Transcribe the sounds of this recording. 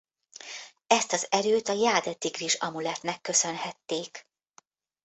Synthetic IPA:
ɛst̪ɒzɛɾøːt̪ɒjaːd̪ɛd̪iɡriʃɒmulɛt̪nɛkːø̞sønhɛt̪ːeːk

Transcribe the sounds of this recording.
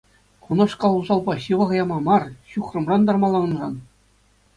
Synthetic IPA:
χunɑʂkɑlˠuzɑlˠbɑɕɯʋɑʁjɑmɑmɑrɕuχrɤ̆mrɑnd̪ɑrmɑlˠɑnɤ̆nrɑn

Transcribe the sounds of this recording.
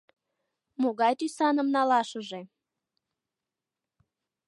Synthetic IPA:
moɣɑjt̪ysɑnə̆mnɑlɑʃəʒe

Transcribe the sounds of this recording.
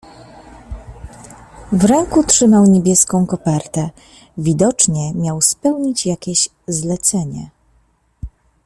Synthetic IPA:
vɾɛŋkutʂɘmawɲebʲjɛskɔ̃w̃kɔpɛɾt̪ɛ | vʲid̪ɔt͡ʂɲɛmʲjawspɛwɲit͡ɕjakʲeɕ | zlɛt̪sɛɲɛ̰

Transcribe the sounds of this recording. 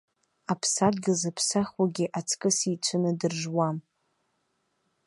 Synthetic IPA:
apʰsarɡʲɪlzapʰsaχwaɡʲiʔat͡sʰkʼɨsit͡ʃʷʰɨnɨdɨrʒwam

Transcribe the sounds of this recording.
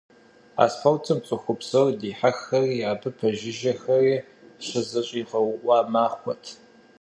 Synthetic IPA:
a̰ːsħɐwtʰɨmt͡sʼʊxʷʊpsɐrdeːħaxɐriːaːbɨpʰɐʒɪʒɐxɐriː | ɕɐzɐɕʼiːʁɐwʔʷɑːmaːχʷɔtʰ

